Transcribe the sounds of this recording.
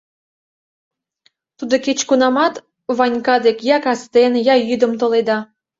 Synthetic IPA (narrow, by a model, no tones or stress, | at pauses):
t̪ud̪oket͡ɕkunɑmɑt̪ | βɑnʲkɑd̪ekjɑkɑst̪enjɑjyd̪ə̆mt̪oled̪ɑ